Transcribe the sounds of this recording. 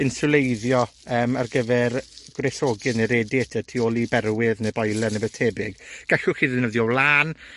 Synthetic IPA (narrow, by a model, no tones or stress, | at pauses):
ɪnsʊlˠejðjɔəːmarɡəvɛrɡ̥wrɛθoɡɨneɾeːdiɛtʰətʰiːolˠibɛrwɪðnebɔjlˠɛnebə̥tʰebɪɡɡ̥aɬʊχiːðɪnəðjɔwlˠaːn